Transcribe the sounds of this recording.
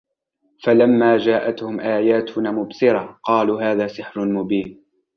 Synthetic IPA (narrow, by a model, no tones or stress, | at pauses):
falamːaːd͡ʒaːʔat̪hʊmʔaːjaːt̪ʊnaːmʊbsɪɾˤɑqɑːluːhaːðaːsɪħɾʊmʊbiːn